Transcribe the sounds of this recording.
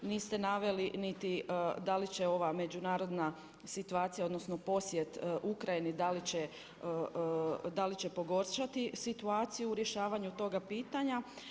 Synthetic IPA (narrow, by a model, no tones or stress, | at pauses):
niːst̪e̞naʋe̞linit̪id̪alit͡ɕe̞o̞ʋame̞d͡ʑunaːɾo̞d̪na | sit̪uaːt̪sijao̞d̪no̞sno̞po̞sje̞t̪ʔukɾajinid̪alit͡ɕe | d̪alit͡ɕe̞po̞ɡo̞ɾʃat̪isit̪uaːt̪sijuːɾje̞ʃaːʋaɲut̪o̞ɡapiːt̪aɲa